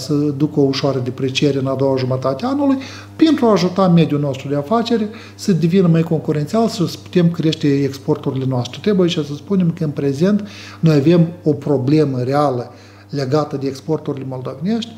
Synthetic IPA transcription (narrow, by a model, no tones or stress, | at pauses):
səd̪ukəouʃoaɾəd̪epɾet͡ʃije̞ɾeɨnad̪o̞waʒumət̪at̪ʲeanuluj | pe̞nt̪ɾuaːʒut̪ame̞d̪juno̞st̪ɾud̪eafat͡ʃe̞ɾe | səd̪evinəmajko̞ŋkuɾent̪sialsəspu̥t̪e̞mkɾʲie̞ʃt̪e̞ekspo̞rt̪uɾile̞noast̪ɾet̪ɾe̞bujait͡ʃʲasəspune̞mkəɨnpɾe̞ze̞nt̪ | no̞jave̞mo̞pɾo̞ble̞məɾealə | le̞ɡat̪əd̪e̞ekspo̞rt̪uɾilʲemo̞ld̪o̞vene̞ʃt̪ʲ